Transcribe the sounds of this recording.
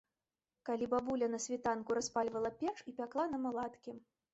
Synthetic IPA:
kalʲibabulʲɐnɐsʲvʲit̪ankuɾaspalʲvɐlˠɐpʲɛt͡ʂipʲaklˠanɐmalˠat̪kʲi

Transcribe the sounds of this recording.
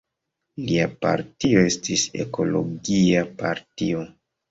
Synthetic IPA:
liapa̰ɾtio̞e̞stise̞̰ko̞lo̞ɡiapaɾtio̞

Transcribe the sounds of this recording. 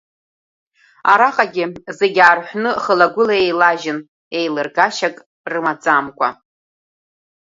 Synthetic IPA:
aɾaqʼaɡʲɪze̞ɡʲaːrħʷnɨχəlaɡʷʊlaejlaʒɪn | ejlɨrɡaʃakʼ | rɨmad͡zʼamkʷʼa̰

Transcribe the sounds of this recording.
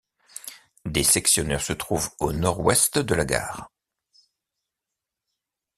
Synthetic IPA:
d̪esɛksjɔnɛʁsət̪χuvonɔʁwɛst̪d̪əlaɡa̰ːʁ

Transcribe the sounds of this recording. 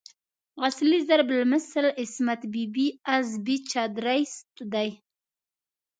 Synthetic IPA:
ɣaslizaɾblməsəlɪsmat̪bibiazbit͡ʃɑd̪ɾajst̪d̪aj

